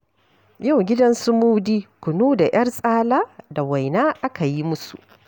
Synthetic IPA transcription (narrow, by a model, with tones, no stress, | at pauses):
ja˦˨wɡʲɪ˦dɐ˦nsu˦muː˦wdiː˦kʷʊ˨nuː˦da˨j̰ʔɐ˦rsʼaː˦laː˦da˨wa˨jnaː˦ʔa˦ka˨ji˦mʊ˦sṵ˨ʔ